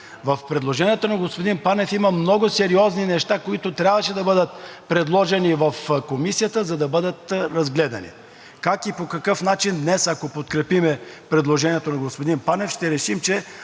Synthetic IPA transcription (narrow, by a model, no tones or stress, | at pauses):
vɐfpɾɛd̪lˠoʒɛniɛt̪onɐɡospod̪inpanɛfimɐmnɔɡʊsɛɾiɔzninɛʃt̪akoit̪ʊt̪ɾʲabvəʃɛd̪ɐbɤd̪ət̪̚pɾɛd̪lˠɔʒɛnivɐfkomisijət̪əzɐd̪ɐbɤd̪ət̪ɾɐzɡlɛd̪ɐnḭ | kakipokɐkɤfnat͡ʃind̪nɛsɐkopot̪kɾɛpimɛpɾɛd̪lˠoʒɛniɛt̪onɐɡospod̪inpanɛfʃt̪ɛɾɛʃimt͡ʃɛ